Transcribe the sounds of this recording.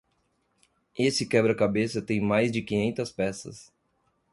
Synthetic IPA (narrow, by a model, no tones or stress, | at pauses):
esɪkɛbɾɐkabesɐt̪ẽj̃majzd͡ʒɪkĩɲẽnt̪ɐspɛsɐ̰s